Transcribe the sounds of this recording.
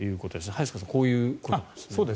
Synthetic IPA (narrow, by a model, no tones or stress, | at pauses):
jɯ̟ːko̞t̪o̞d̪esnhaiskasako̞ːjɯ̟ːko̞to̥ssoːd̪e